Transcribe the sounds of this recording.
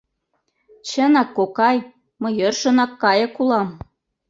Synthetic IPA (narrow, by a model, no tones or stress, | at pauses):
t͡ɕə̆nɑkːokɑj | mɤ̆jɤrʃɤ̆nɑkːɑjɤ̆kulɑm